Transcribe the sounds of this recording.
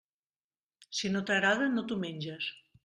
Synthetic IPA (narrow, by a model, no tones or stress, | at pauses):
sinot̪aɣɾaðənot̪umeɲʲd͡ʒes